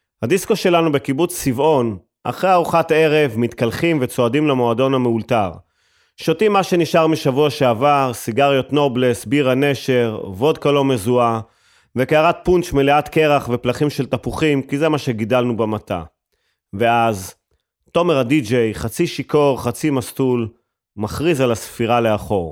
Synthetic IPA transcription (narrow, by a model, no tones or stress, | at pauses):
hadisko̞ʃe̞lanube̞kibut͡sːivo̞n | ʔa̰χʁeaʁuχate̞ʁe̞vmit̪kalχimvet͡so̞adimlemo̞ado̞nhameultaʁ | ʃotimːaʃe̞niʃaʁmiʃavuaʃeavaʁsiɡaʁjo̞t̪no̞blesbiʁane̞ʃe̞ʁvo̞dkalo̞me̞zua | vekeaʁat̚punt͡ʃmeleat̪ke̞ʁaχve̞plaχimʃe̞lt̪apuχimkizemaʃe̞ɡidalnubemat̪ʰa̰ | veaz | to̞meʁadid͡ʒe̞jχat͡siʃiko̞ʁχat͡simastul | maχʁizalasfiʁale̞aχo̞ʁ